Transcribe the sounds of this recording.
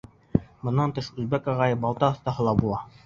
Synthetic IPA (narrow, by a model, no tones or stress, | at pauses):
bɤ̆nːɑnt̪ɤʃʉlbækɑʁɑjɤfbɑlˠt̪ɑːθt̪ɑɦɤ̆lˠɑbulˠɑ